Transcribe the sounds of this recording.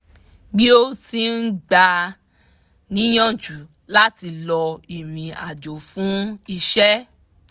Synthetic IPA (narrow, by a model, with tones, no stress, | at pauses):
ɡ͡bi˦o˦ti˧˦n̩˦ɡ͡ba˧ | nĩ˦j̃ɔ̃˦˨d͡ʒu˨˦ | la˦ti˧lɔ˧i˨ɾĩ˨a˨d͡ʒo˨fũ˨˦i˧ʃɛ˦